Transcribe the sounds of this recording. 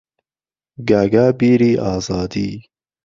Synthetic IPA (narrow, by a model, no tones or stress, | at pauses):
ɡaɡaːbiːɾiːʔɑːzɑːd̪iː